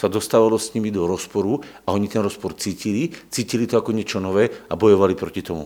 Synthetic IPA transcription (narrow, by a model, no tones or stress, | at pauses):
sad̪ɔst̪aːʋalɔsɲimid̪ɔɾɔspɔɾuaɔɲit̪ɛnɾɔspɔɾt͡siːcilit͡siːcilit̪ɔakɔɲɪɛt͡ʃɔnɔʋɛːabɔjɔʋalipɾɔcit̪ɔmṵ